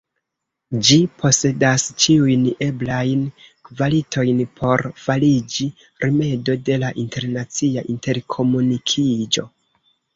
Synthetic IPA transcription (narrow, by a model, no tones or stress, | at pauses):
d͡ʒipʰo̞se̞dast͡ʃiujne̞blajnvalitʰo̞jnpʰo̞ɾfalid͡ʒi | ɾime̞do̞de̞laʔinte̞ɾnat͡siaʔinte̞ɾkʰo̞munikʰid͡ʒo̞̰